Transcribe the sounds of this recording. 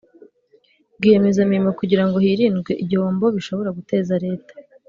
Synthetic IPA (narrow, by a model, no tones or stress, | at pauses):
bɡije̞me̞zamiɾimokuɟiɾaŋɡo̞hiːɾiːnɡwe̞ʔiɟiho̞ːmbo̞βiʃo̞βo̞ɾaɡute̞ːzaɾe̞ːtḁ